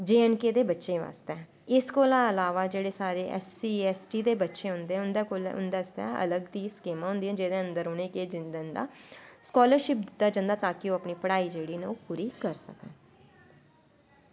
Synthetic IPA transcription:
d͡ʒeːɛɳkeːd̪eːbətːʃeːʋa̰ːst̪ɛː | ɪskoːlãːəlaːʋaːd͡ʒeːɽeːsaːɾeːʔɛ̰siːɛːsʈiːd̪eːbətːʃeːɦʊnd̪eːʊnd̪eːkoːlʊ̰nd̪aːɪst̪ɛ̰ːə̰ləɡd̪iːskeːmãːɦʊ̃nd̪iːɛ̃ːd͡ʒeːd̪eːə̃nd̪əɾʊneːkeːd͡ʒɪnd̪nd̪a̰ːskɔːləɾʃɪp̚d̪ɪt̪ːaːd͡ʒãːnd̪aːt̪ãːkɪoːəpniːpəɽaːiːd͡ʒeːɽiːneoːpʊɾiːkəɾsə̰kɛ̰̃ː

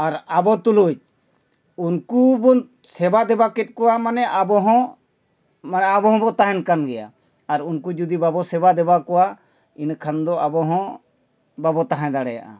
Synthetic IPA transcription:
aɾabɔt̪ulud͡ʒ | unkubɔ | sɛbad̪ɛbakɛt̪̚ˀkɔwamanɛʔabɔɦɔ̃ | manɛabɔɦɔ̃bɔt̪aɦɛnkanɡɛja̰ | aɾunkud͡ʒud̪ibabɔsɛbad̪ɛbakɔwa | inkʰand̪ɔabɔɦɔ̃ | babɔt̪aɦãd̪aɽɛja̰ʔa̰

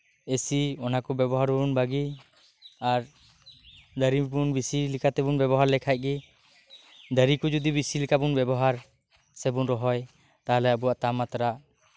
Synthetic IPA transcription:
esiɔnakɔbɛbɔɦaɾuunbaɡi | aɾ | d̪əɾibunbisilikʰat̪ɛbunbɛβɔɦaɾlɛkʰajt̪̚ˀɡɛ | d̪əɾikɔd͡ʒud̪ibisilikabunbɛbɔɦaɾ | sɛbunɾɔɦɔj | t̪aɦlɛabuaʔt̪amat̪ɾaʔ

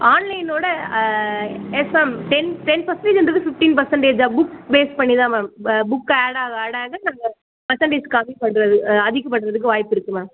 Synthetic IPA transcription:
aːnlɐɪnoːɽɐ | ɛsɐmʈɛnʈɛnpɐɾsɐɳʈeːd͡ʒɐnd̪ɯkːɯfɪfʈiːnpɐɾsɐɳʈeːd͡ʒaːbʊkbeːspɐɳːiðãːmãːbʊkːaːɽaːɣɐaːɽaːɣɐnaŋɡɐ | pɐɾsɐɳʈeːskɐmipɐɳːɾɐðɯɐðɪkːɐpːɐʈːɯɾɐðɯk̬ːɯʋaːjɪpːɪɾɯkːɯmãː

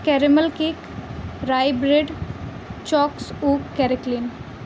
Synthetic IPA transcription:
kɛɾiməlkek | ɾajbɾeɖ | t͡ʃɔksukːɛɾiklin

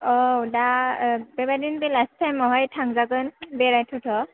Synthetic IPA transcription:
ɔwdabɛbadinbelastʰːajmɔɦɔjtʰaŋzakɯnbɛɾajtʰɔtʰɔ

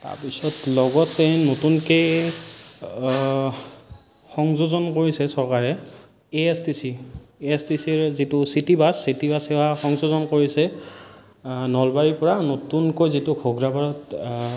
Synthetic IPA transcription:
ta̰ɹpisɔtlɔɡɔtːenotunkej | xɔŋzozɔnkoɹisɛsɔɹkaɹɛ | eestisieestisiɹzitʊsitibasːitibasewaxɔŋzozɔnkoɹisɛ | nɔlbaɹipɔɹanotunkojzitʊkʰoɡɹabaɹɔt

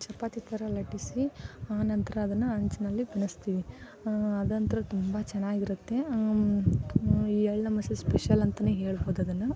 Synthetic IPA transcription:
t͡ʃɐpːaːt̪it̪ʰɐɾɐlɐʈisiaːnɐnt̪ɐɾɐːd̪ɐnːuɐɲt͡ʃɐnɐlːibinɐst̪iːʋi | ɐd̪ɐnt̪ɐɾɐt̪umbɐt͡ʃɛnaːɡiɾut̪ːe̞ | iːɛɭnɐmɐsɐspeʃɐlɐnt̪ɐneːɦe̞ːɭboːd̪uɐd̪ɐnːu

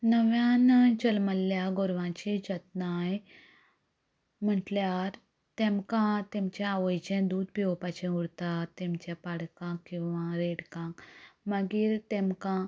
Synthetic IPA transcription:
nəʋjãnt͡ɕəlməlːjaɡoɾʋãt͡ɕid͡ʑət̪̚naj | m̤əʈljaɾ | t̪ɛ̃mkãt̪emt͡ɕaaʋəjt͡ɕɛ̃d̪uːd̪piɔpat͡ɕɛ̃uɽt̪at̪ɛ̃mt͡ɕapaɽkãkːĩwʋãɾeɽkãkməɡiːɾt̪ẽmkã

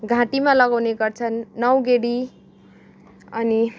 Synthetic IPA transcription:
ɡʱãʈimalʌɡawneɡʌrt͡sʰʌnːʌwɡeɽi | ʌni

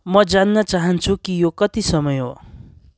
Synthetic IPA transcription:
mʌd͡zanːʌt͡saɦʌnt͡sʰukijokʌt̪isʌmʌjɦo̰

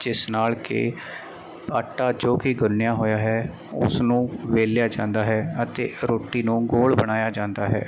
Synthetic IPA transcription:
d͡ʒɪsnaːlkḛː | paːʈaːd͡ʒoːkɪɡʊnnɪjaːɦoːjaːɦɛː | ʊ̰snũːʋeːljaːd͡ʒãːnd̪aːɦɛːət̪eːɾoːʈːiːnũːɡoːlbəɽ̃aːjaːd͡ʒãːnd̪aːɦɛ̰ː

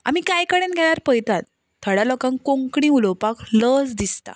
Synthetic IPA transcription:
a̰mikajkəɽenɡʱɛɽ̃aɾpəjt̪at̪ːʰ | əɽalɔkãŋkõŋkɽĩulɔpakləsd̪ist̪a̰

